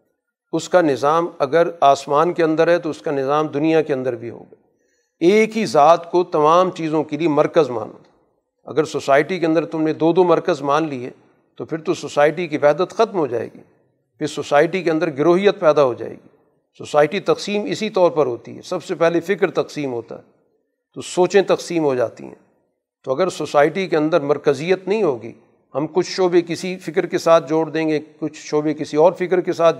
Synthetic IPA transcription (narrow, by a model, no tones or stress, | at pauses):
ʊskanɪzaːmɐɡəɾaːsmaːnkeɐ̃nd̪əɾɦɛt̪oʊskanɪzaːmd̪ʊnijakeɐ̃nd̪əɾbʱiɦo̰ːɡaː | eːkɦizaːt̪kot̪ɐmaːmt͡ʃiːzõkeliemɐɾkəzma̰ːno̰ | ɐ̰ɡəɾsosaːɪʈikeɐ̃nd̪əɾt̪ʊmnẽd̪oːd̪omɐɾkəzmãːnliɦɛ̰ː | t̪opʰɪɾt̪ososaːɪʈikiʋɛɦd̪ət̪xɐt̪mɦod͡ʒa̰ːḛːɡḭː | pʰɪɾsoːsaːɪʈikeɐ̃nd̪əɾɡɪɾoːɦijət̪̚pɛːd̪aɦod͡ʒa̰ːḛːɡḭː | soːsaːɪʈit̪ɐqsiːmɪsit̪ɔːɾpɐɾɦoːt̪ḭɦɛ̰ːsɐbsepɛɦlefɪkɾt̪ɐqsiːmɦoːt̪a̰ɦɛ | t̪osoːt͡ʃẽt̪ɐqsiːmɦod͡ʒa̰ːt̪ḭɦɛ̰̃ː | t̪oɐɡəɾsosaːɪʈikeɐ̃nd̪əɾmɐɾkəzijət̪nɐɦĩɦoːɡḭː | hɐmkʊt͡ʃʰʃoːbekɪsifɪkɾkesaːt̪̚ʰd͡ʒoːɽd̪ẽːŋɡekʊt͡ʃʰʃoːbekɪsiɔːɾfɪkəɾkesaːt̪̚ʰ